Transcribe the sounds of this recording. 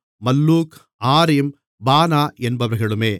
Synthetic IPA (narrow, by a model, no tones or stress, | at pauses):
mɐlːuːk | aːɾɪm | baːnaːʔɛnbɐʋɐɾɣɐɭɯmeː